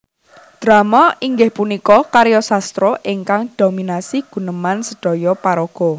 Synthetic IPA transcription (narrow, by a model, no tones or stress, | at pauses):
d̪̥ɾa̤maʔiŋɡɪhpunikɔkaɾjɔsast̪ɾɔʔiŋkaŋd̥o̤minasiɡ̥ṳnəmansəɖ̥ɔ̤jɔpaɾoɡ̥ɔ